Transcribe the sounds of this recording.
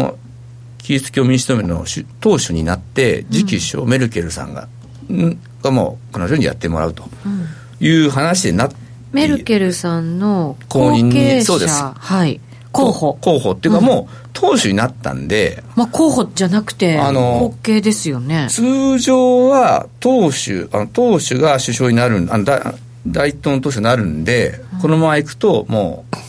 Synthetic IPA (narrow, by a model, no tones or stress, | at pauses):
o̰ | kʲit͡sɨ̥kʲoːmʲiɲiɕi̥t̪omeno̰ɕɨt̪o̞ːɕɨɲ̟ḭnat̪ːe̞d͡ʑikʲiɕo̰me̞ɾɯ̟kʲe̞ɾɯ̟sã̰ŋɡa̰ | ɡ̥amo̰ːkonoʑoːɲḭja̰t̪ːe̞mo̞ɾa̰ɯ̟t̪o | jɯ̟ːɦanaɕid̪e̞̰na | meɾɯ̟kʲe̞ɾɯ̟sãnːo̞kooɲĩɲeisoːd̪eshai | koːhoko̞ːho̞ːt̪ːeiɯkamo̞ː | t̪ʰo̞ːɕɨɲ̟inat̪ːã̰nd̪e̞̰makʰoːhod͡ʑanakɯ̟̥t̪e̞ano̞okːe̞ːd̪e̞sɨjo̞ne̞t͡sɨːʑoːβat̪o̞ːɕɨ̰a̰no̞t̪o̞ːɕɨɡaɕɨɕo̞ːɲ̟inaɾɯ̟̃anod̪a̰ | d̪ait̪õːnt̪oːɕ̬ɨɲinaɾɯ̟̃nd̪e̞ko̞no̞mamaikɯ̟̥t̪o̞mo̰ː